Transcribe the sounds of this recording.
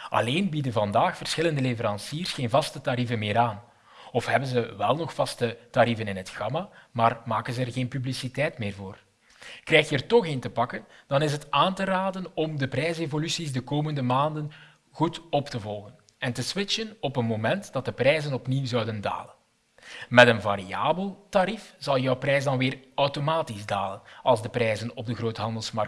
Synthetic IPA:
ʔɑ̰leːnbidənvɑndaːxfərsxɪləndəlevəɾɑnsiːərsxeːnvɑstətaɾivənmɪːɾaːn | ɔfɦɛbənzəʋɛlˠnɔxfɑstətaɾivənɪnɦətxɑmamaːrmaːkənzəɛrɣeːnpyblisitɛjtmɪːrvoːr | krɛjxjəːrtɔxentəpɑkənd̥ɑnɪs̬ɦətaːntəɾaːdənɔmdəprɛjs̬evolysisdəkoːməndəmaːndən | ɣutɔptəvɔlˠɣən | ɛntəswɪt͡ʃənɔpənmomɛntd̥ɑt̚dəprɛjzənɔpniwzœwdənda̰ːlən | mɛtənva̰ɾia̰ːbəlˠtaɾifz̥ɑlˠjœwprɛjsdɑnʋɪːrœwtomaːtizdaːlənɑlˠzdəprɛːjzənɔb̚dəɣroːtɦɑndəlˠsmɑrk

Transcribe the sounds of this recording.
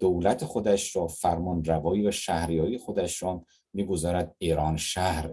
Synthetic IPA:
d̪̥owlæt̪ʰexod̪æʃɾɒːfæɾmɒːnrævɒːiːvæʃæhɾijɒːixod̪æʃɾɒː | miːɡozɒːɾæd̪̚iːɾɒːnʃæhɾ

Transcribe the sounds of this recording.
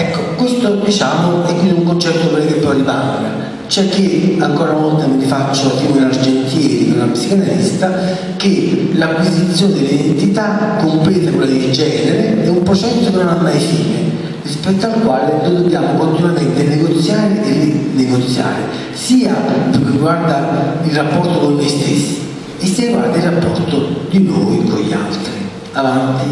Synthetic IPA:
ɛkːokwest̪od̪it͡ʃaːmoɛkːwind̪iuŋkont͡ʃɛt̪ːopelːit̪ɛmpoaliba̰ŋː | a̰ | t͡ʃoɛkːeaŋkɔːɾanɔlt̪amɪlifat͡ʃːoapɾiːmoilard͡ʒent̪jɛːɾḭko̰lːapsikanalist̪a | k̟elakwizit̪sːjoːnɪd̪ɪlːiid̪ent̪it̪akːompleːt̪akwelːad̪ed͡ʒɛːneɾeɛumpɾot͡ʃɛsːokenonamːajfiːnɪ̰ | rispɛt̪ːalkwaːlɪd̪ovebːjaːmʊkont̪inwament̪ɪnːeɡot̪sːjaːɾɪʔɪrineɡot̪sːja̰ːɾɪ̰ | siːapɪɾkiriɡward̪ailrapːɔrt̪okonːojst̪ɪsːi̥ː | sːiːɾriɡwaɾd̪ailrːapːɔrt̪ʊd̪ino̰jkoʎːa̰lt̪ɾi | alanɔt̪ːi

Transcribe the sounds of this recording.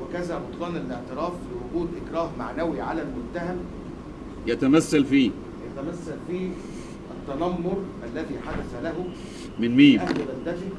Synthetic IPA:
wɪkæzæbʊt̪ˤlɑːnɪlleʕt̪eɾɑːflɪwʊɡuːd̪ʔɪkɾˤɑːɦmaʕnæwiʕalælmʊnt̪æɦæm | jæt̪æmæsːælfiː | jæt̪æmæsːælfiː | ʔæt̪ːænɑmːoɾˤʔælːæðiːħad̪æsælæɦʊ | mɪnmiːʔmæhlbæld̪æt̪i

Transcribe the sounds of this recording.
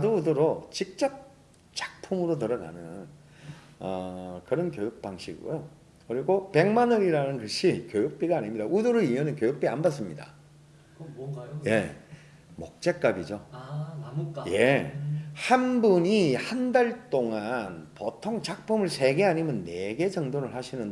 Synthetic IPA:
aduudɯɾot͡ɕik̚t͡ɕ͈ʌp̚ | t͡ɕḁk̚pʰumɯɾot̬ɯɾʌɡa̰nɯn | ʌkɯɾʌnkjojuk̚p͈aŋɕʰḭɡṵjo | kɯɾiɡope̞ŋmanɯiɾanɯnkɯɕʰikjojuk̚p͈iɡaːɲimɲidauduɾoimenɯnkjojuk̚p͈ia̰nbas͈ɯmɲida̰ | je̞ | mok̚t͡ɕ͈e̞k͈abid͡ʑo | je̞ | hanbuɲihandaɭt͈oŋanpotʰoŋt͡ɕak̚pʰumɯɭsʰe̞ɡe̞ɦaɲimjʌnːe̞ɡe̞d͡ʑʌŋdoɾɯɭhaɕʰinɯnd

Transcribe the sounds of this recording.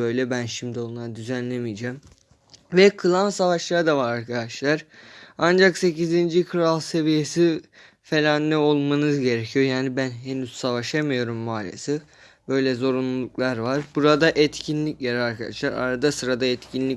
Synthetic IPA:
ø̞jlʲɛbænʃimd̪ionlˠaɾd̪yzænlʲemijd͡ʒɛːm | vɛkʰɯlˠansavaʃlˠaɾd̪avaɾaɾkʰad̪aʃlˠaɾ̥and͡ʒakse̞cizind͡ʒikʰɯɾalˠse̞vije̞si | fe̞lʲanːɛo̞lˠmanɯzɟe̞ɾecʰijo̞jaːnibænɦe̞nyz̥savaʃamɯjo̞ɾumːaːlʲḛsɛ | bø̞jlʲɛzo̞ɾunlˠulˠuklˠaɾvaɾbuɾad̪aʔɛt̪cʰinlʲicjeɾiaɾkʰad̪a̰ʃlˠaɾa̰ɾad̪asɯɾad̪aɛt̪cʰinlʲi

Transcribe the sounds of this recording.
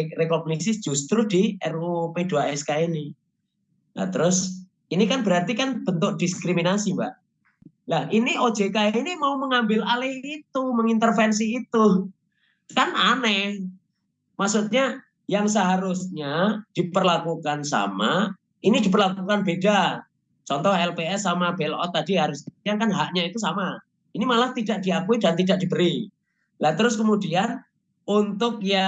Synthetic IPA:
ɾekɔɡniksɪ̥d͡ʒ̥ust̪ɾudiɛrupeduaɛskaini | na̰t̪əɾʊs | inikanbəɾart̪ikanb̥ənt̪ʊk̚d̥iskɾiminasimbaʔ | lahʔiniʔo̥d͡ʒ̥ekainimauməŋambɪlalɪhit̪uməŋint̪ərfɛns̬iːt̪u | kananɛh | maʔsut̪̚ɲa | jaŋs̬əɦaɾʊsɲad̥ipərlakukansa̰ma̰ | inidipərlakukanbeda | t͡ʃɔnt̪ɔhɛlpeɛsːamabelʔɔ̰t̪ːadiɦaɾʊskəmud̪iankanɦaʔɲait̪us̬ama | inimalaht̪idaʔd̥iakuidant̪idaʔ̚d̥ibəɾi | lat̪əɾʊskəmudian | unt̪ʊk̚ja

